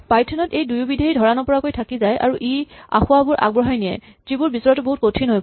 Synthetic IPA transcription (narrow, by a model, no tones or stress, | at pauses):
pajtʰɔnɔtejdujubidʱeɦidʱɔɹanɔpɔɹakojtʰakizajʔa̰ɹuʔia̰xʊwabʊɹʔa̰ɡ̚bɹɔɦajnijɛ̰ | zibʊɹbisɔɹɔtʊboɦut̚kotʰinɦoj